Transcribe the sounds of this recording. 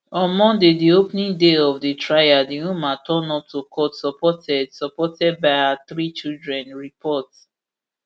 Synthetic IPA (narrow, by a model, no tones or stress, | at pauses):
ɔ̃nmɔ̃ndediopnĩŋdeɔvditʰɹajadiumatʰɔ̃nɔp̚tʰukʰɔtsɔpʰɔtʰɛdsɔpɔtʰɛd̚baɪaθɹit͡ʃildɹɛ̃nɹipʰɔts